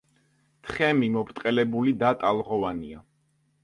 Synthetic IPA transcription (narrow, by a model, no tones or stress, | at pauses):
t̪ʰχɛmimɔpʰɾt̪ʼqʼɛlɛbulid̪at̪ʼalˠʁɔvania